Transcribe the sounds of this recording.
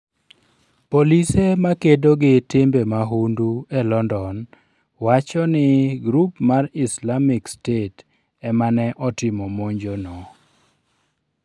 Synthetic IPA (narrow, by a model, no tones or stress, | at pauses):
polisemakedoɡɪtɪmbemaɦunduɛlɔndɔn | wat͡ʃɔnɪɡɾupmarɪslamɪkstet | ɛmanɛʔɔtɪmɔmoɲd͡ʒonɔ